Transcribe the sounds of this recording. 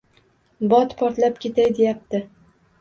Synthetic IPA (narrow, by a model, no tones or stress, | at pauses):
bɒt̪pʰɒɾt̪lapkʲʰe̞t̪ʰajd̪e̞jap̚t̪ɪ